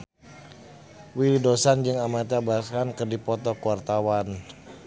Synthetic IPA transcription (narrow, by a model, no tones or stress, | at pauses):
wilidosand͡ʒɨŋamat̪abakankɨrdipɔt̪ɔkuart̪awan